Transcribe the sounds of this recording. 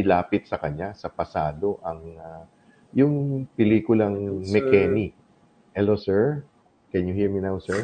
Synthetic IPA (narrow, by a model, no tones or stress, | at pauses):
ɪlaːpɪt̪̚sɐkɐɲasɐpɐsaːd̪o̞ʔɐŋa | jʊŋpɪliːkʊlɐŋmɛkɛni | hɛlosɛɹ | kɛnjʊhiɹminawsɛɹ